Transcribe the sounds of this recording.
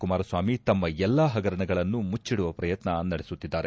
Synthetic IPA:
kumaːɾɐsʋaːmit̪ɐmːɐɛlːaːɦɐɡɐɾɐɳɐɡɐɭɐnːumut͡ʃːiɽuʋɐpɾɐjɐt̪nɐnɐɽesut̪ːid̪ːaːɾe̞

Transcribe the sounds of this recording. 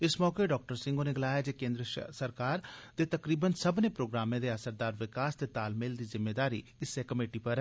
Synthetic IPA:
ɪsmɔːkeɖɔːk̚ʈəɾsɪ̃ŋɡoːneɡɪlaːjad͡ʒeːkẽːnd̪ɾəsəɾkaːɾt̪eːt̪ɐkɾiːbənsəbnepɾoːɡɾaːmẽd̪eɐsəɾd̪aːɾʋɪkaːst̪eːt̪aːlmɪld̪iːzɪmːeːd̪aːɾiɪsekəmeːʈipɐɾɛ

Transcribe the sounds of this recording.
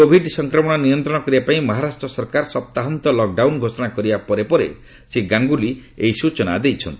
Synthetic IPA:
kobʱiɖsɔŋkɾɔmɔɽ̃ɔnijɔnt̪ɾɔɽ̃ɔkɔɾibapaĩmɔɦaɾasʈɾɔsɔɾkaɾsɔp̚t̪aɦant̪ɔlɔk̚ɖawnɡʱosɔɽ̃akɔɾibapɔɾepɔɾḛ | seɡaŋɡuliejsut͡ʃɔna̰d̪ejt͡ʃʰɔnt̪ii

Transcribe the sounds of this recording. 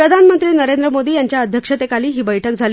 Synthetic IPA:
ɾəd̪ʱanmənt̪ɾiːnəɾend̪ɾəmod̪iːjaɲt͡ɕjaəd̪ʱjəkʂət̪ekaliːɦiːbəjʈʰək̚d͡zʱalː

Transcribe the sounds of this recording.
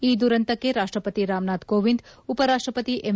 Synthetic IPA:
id̪uɾənt̪əkeɾaʂʈɾəpət̪iɾamnat̪koʋind̪upəɾaʂʈɾəpət̪iʔem

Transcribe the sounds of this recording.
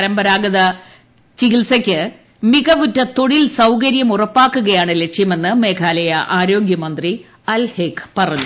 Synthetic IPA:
ɐɾɐmbɐɾaːɡɐðɐ | t͡ɕiɣilsɐkʲːɨ | miɣɐʋutːɐt̪o̞ɽilsɐwkɐɾjɐmurɐpːaːkːuɣɐjaːɳɨle̞kʂjɐme̞nːɨme̞ːkʰaːlɐjɐʔaːɾo̞ːɡjɐmɐnd̪ri | ɐlheːkːpɐrɐɲːu

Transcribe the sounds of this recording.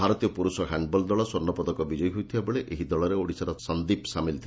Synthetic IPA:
bʱaɾɔt̪ijɔpuɾusɔɦaɳɖbɔld̪ɔɭɔsɔɾnːɔpɔd̪ɔkɔbid͡ʒɔjɦujt̪ʰiebeɭeʔeɦid̪ɔɭɔɾeoɽisaɾɔsɔnd̪ipsamilt̪ʰi

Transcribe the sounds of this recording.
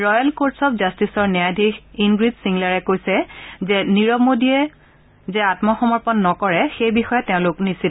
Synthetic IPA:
ɹɔjalkotsɔpzastisɔɹnɛjadʱixinɡɹizsiŋlaɹɛkojsɛzɛniɹɔmodiɛ | zɛatmɔxɔmɔɹpɔnːɔkɔɹɛxejbixɔjɔtːɛʊ̃lʊknisil

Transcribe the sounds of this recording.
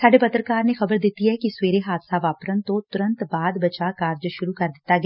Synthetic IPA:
saːɖepət̪ɾəkaːɾnexɐbəɾd̪ɪt̪ːiɦɛkisweːɾeɦaːd̪saʋaːpɾənt̪õt̪ʊɾə̃nt̪baːd̪bət͡ʃakaːɾd͡ʒʃʊɾukəɾd̪ɪt̪ːaɡ

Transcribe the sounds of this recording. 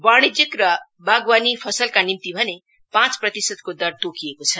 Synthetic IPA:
baɽ̃id͡zjʌkrʌ | baɡwanipʰʌsʌlkanimt̪ibʱʌne | pãt͡sprʌt̪isʌd̪̚kod̪ʌɾd̪okʰiekot͡sʰʌ

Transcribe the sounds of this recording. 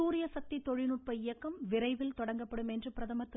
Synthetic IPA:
uːɾɪjɐsɐk̚t̪it̪ɔɻɪnʊʈ̚pɐɪjɐkːɐmʋɪɾɐɪʋɪlt̪ɔɽɐŋɡɐpːɐɽɯmɛndrɯpɪɾɐðɐmɐt̪ːɯ

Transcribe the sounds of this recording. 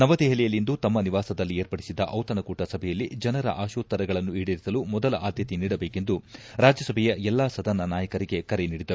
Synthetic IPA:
nɐʋɐd̪eɦɐlɛjɐlːind̪ut̪ɐmːɐniʋaːsɐd̪ɐlːieːɾpɐɽisid̪ɐʔɐwt̪ɐnɐkuːʈɐsɐbʱɛjɐlːid͡ʒɐnɐɾɐ̰ʔaːʃuːt̪ːɐɾɐɡɐɭɐnːuiːɽiɾisɐlumɔd̪ɐlɐʔaːd̪jɐt̪iniːɽɐbeːke̞nd̪uɾaːd͡ʒjɐsɐbʱɛjɐɛlːaːsɐd̪ʱɐnɐnaːjɐkɐɾiɡe̞kɐɾeniːɽid̪ɐɾu

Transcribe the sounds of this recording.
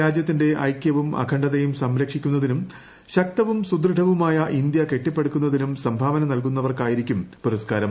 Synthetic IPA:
aːd͡ʑjɐt̪ːinde̞ʔɐ̰jkʲjɐʋumɐ̰kʰɐɳɖɐðejumsɐmɾɐkʂikʲːun̪ːɐðinum | ɕɐk̚t̪ɐʋumsud̪rɨɖʱɐʋumaːjɐʔind̪jɐke̞ʈːipːe̞ɽukʲːun̪ːɐðinumsɐmbʱaːʋɐnɐnɐlkunːɐʋɐrkaːjiɾikʲːumpuɾɐskaːɾɐm

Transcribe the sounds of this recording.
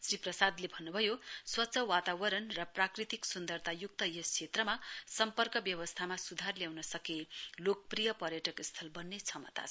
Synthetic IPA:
sriprʌsad̪lebʱʌnːubʱʌjoswʌtːsʌwat̪awʌɾʌnrʌprakrit̪iksund̪ʌrt̪ʰajuk̚t̪ʌjʌst͡sʰet̪rʌmasʌmpʌrkʌbjʌwʌst̪ʰamasud̪ʱarljawnʌsʌkelok̚prijʌpʌɾjʌʈʌkist̪ʰʌlbʌnːet͡sʰʌmʌ̰t̪a̰

